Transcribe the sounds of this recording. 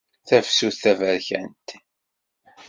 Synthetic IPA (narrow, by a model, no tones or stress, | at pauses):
θævsuθθævəɾçænt̪